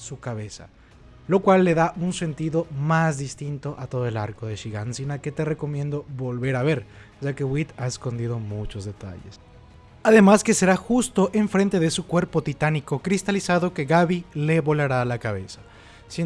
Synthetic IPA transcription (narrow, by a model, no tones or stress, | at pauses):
sukaβe̞sa̰ | lo̞kwalːe̞ðaʔunse̞nt̪iðo̞mazðist̪int̪o̞ʔat̪o̞ðoe̞laɾko̞ðeʃiɣansinaket̪e̞re̞ko̞mje̞nd̪o̞βo̞lβe̞ɾaβe̞ɾ | ʒake̞ɣwit̪ae̞sko̞nd̪iðo̞mut͡ʃo̞zðe̞t̪a̰ʝḛs | aðe̞maske̞se̞ɾaxust̪o̞ʔe̞ɱfɾe̞nt̪e̞ðesukwe̞ɾpo̞t̪it̪aniko̞kɾist̪alisaðo̞ke̞ɣaβile̞βo̞laɾaːlakaβ̞e̞̰sḁ | se